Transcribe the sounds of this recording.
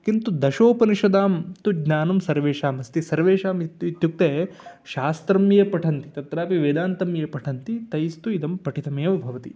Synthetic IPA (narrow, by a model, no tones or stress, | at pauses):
kint̪ud̪ɐʃoːpɐniʃɐd̪aːmt̪uɡnaːnɐmsɐɾʋeːʃaːmɐst̪isɐɾʋeːʃaːmit̪it̪juk̚t̪eːʃaːst̪ɾɐmjɐpɐʈʰɐnt̪i̥t̪ɐt̪ɾaːpiʋeːd̪aːnt̪ɐmjɐpɐʈʰɐnt̪it̪ɐjst̪uid̪ɐmpɐʈit̪ɐmeːʋɐbʱɐʋɐt̪i